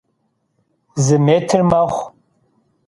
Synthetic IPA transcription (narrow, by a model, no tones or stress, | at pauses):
zɨmetʰrmaχʷ